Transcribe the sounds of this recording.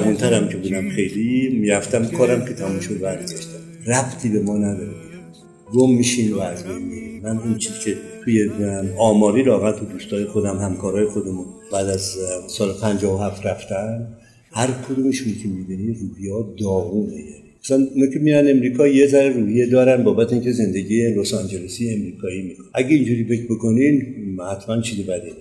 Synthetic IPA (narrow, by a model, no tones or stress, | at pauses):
ævunt̪ʰæɾæmcʲʰe̞buːd̪æmχe̞jlimiɾæft̪æmkʰɒːɾæmkʲʰe̞t̪ʰæmumʃod̪bæɾɡd̪ɒʃt̪æm | ræbt̪ʰiːbe̞mɒːnæd̪ɒːɾe | ɡomːiʃinvæːzbejnmiɾimmænunt͡ʃʰiːzkʲcʰet̪ʰuːjeɒːmɒːɾiːlɒːɣæt̪ʰud̪uːst̪ɒːjexo̞d̪æmhæmkʰɒːɾɒːjexod̪emub̥æːd̪æzsɒːlpʰænd͡ʒɒːvoɦæft̪ræft̪ʰænd̪ | hæɾkʰod̪uːmeʃunkʰemibiniruːhijɒːd̪ɒːvuːneje | æsænunokʰʲemiɾænd̪e̞mɾiːkʰɒːjezæɾeruːhijed̪ɒːɾænbɒːbæt̪ʰeincʰeze̞nd̪e̞ɡiːjelosɑnd͡ʒelesijeːmɾiːkʰɒːiːmikoʔæɡeind͡ʒuːɾiːfe̞cʰbe̞kʰo̞ninhæt̪ʰmænt͡ʃʰiːzebæd̪e